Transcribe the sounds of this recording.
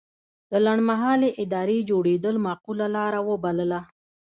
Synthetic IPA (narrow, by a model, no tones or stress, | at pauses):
d̪̥əlaɳmaɦɑleʔɪd̪ɑɾed͡ʒoɽed̪əlmɑqulalɑɾawəbaləla